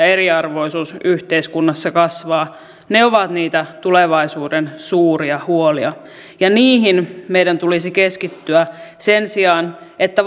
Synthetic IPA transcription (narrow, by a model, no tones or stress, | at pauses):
eriɑrʋo̞isuːsyht̪eiskunːɑsːɑkɑsʋɑː | neoʋɑt̪niːt̪æt̪uleʋɑisuːdensuːriɑhuoliɑ | jɑniːɦinmeidænt̪ulisikeskit̪ːyæsensiɑnet̪ːæ